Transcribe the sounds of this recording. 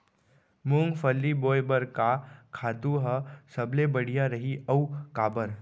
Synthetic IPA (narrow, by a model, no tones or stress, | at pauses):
mũŋɡfəlːiboːjbəɾkakʰaːt̪uɦəsɐblebəɽ̤ijaɾɐɦiɐukaːbəɾ